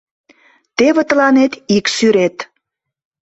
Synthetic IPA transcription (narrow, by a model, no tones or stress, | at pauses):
t̪eβĕt̪əlɑnet̪iksyɾet̪